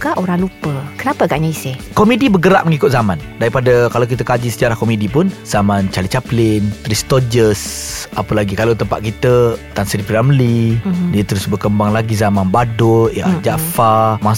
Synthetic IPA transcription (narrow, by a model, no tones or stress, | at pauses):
kaʔoɾaŋlupəkənapəaɡaʔɲaisɪhkomidibəɡəɾaʔ̚məŋikʊt̪̚zamandaɾipadəkalawk̬it̪əkad͡ʒisəd͡ʒaɾahkomidipʊnz̥amant͡ʃalit͡ʃaplɪnt̪ɾist̪ɔd͡ʒəsapəlaɡikalawt̪əmpaʔ̪̚kit̪ət̪ansədipiɾaməlidiət̪əɾʊsbərkəmbaŋlaɡizamanbadʊja̰ʔd͡ʒafamas